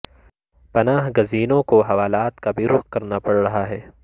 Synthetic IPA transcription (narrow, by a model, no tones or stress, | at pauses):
pɐnaːɦɡɐziːnõkoɦɐʋaːlaːt̪kabʱiɾʊxkɐɾnapɐɽɾɐɦaɦɛː